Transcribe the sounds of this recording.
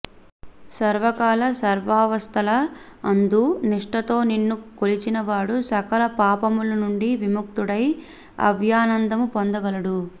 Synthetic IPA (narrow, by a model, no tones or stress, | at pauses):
sɐɾʋɐkaːlɐsɐɾʋaːʋɐst̪ʰɐlɐ | ɐnd̪uniʂʈɐt̪o̞ːninːukolit͡ʃinɐʋaːɽusɐkɐlɐpaːpɐmulɐnuɳɖiʋimuk̚t̪uɽɐj | ɐ̰ʋʱjaːnɐnd̪ɐmupond̪ɐɡɐlɐɽu